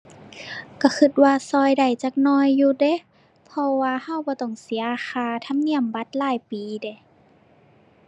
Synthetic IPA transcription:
ka˧˩xʰɯ˧t̪̚waː˧sɔː˧˩jda˨˩jt͡ɕaː˧k̚nɔː˧jːuː˧de˧˦ | pʰɔ˧waː˧ha˧˨wbɔː˧˦t̪ɔ˧˩ŋsi˨˩˦ɐxaː˧t̪ʰa˧˥˨mni˧˩˨əmba˧˦t̪̚laː˧˩jpiː˨de˧˩˦

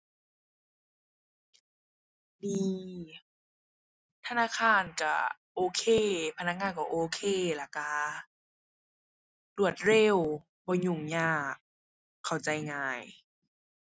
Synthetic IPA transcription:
niː˧ | t̪ʰa˧naː˧˥˨kʰaː˧˥˨nka̰˧˩ʔoː˧˩kʰeː˧˨pʰa˧na˧˩k̚ŋaː˧˨nkɔ˧˩˨ʔoː˧˩kʰeː˧˩˨la˧˩ka˧ | lu˧˩ət̪̚ɾe˧˥˩w | bɔː˧ɲu˧˩ŋɲaː˧˩kʰː | a˨˩wt͡ɕa˧˦jŋaː˧˩j

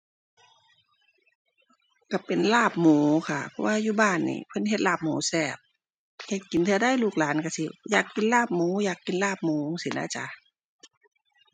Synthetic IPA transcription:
ka˧˩pe˨nlaː˧˩p̚muː˨˦kʰa˧˩pʰɔ˧waː˧juː˧˦baː˧˩nːḭː˧˨˦pʰɤ˧˥˨nɦe˧t̪̚laː˧˩p̚muː˨˦sɛː˧˩p̚ | kʰa˧˩ki˨nt̪ʰɯ˧ɐda˧˥˨jluː˧˩k̚laː˨˦nka˧˩si˧˦jaː˨˩kːi˨nlaː˧˥˩p̚muː˨˦jaː˨˩kːi˨˦nlaː˧˩p̚muː˨˦˧ŋsi˨˦na̰˧˥˨t͡ɕa˧˦

